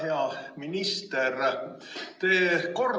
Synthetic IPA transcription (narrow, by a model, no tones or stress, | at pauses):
heɑminist̪er | t̪eːko̞r